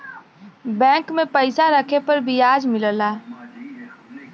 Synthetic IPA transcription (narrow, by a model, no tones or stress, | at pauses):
bɛ̃ːŋkmẽpəɪsaɾəkʰepəɾbʱijaːd͡ʒmɪləlaː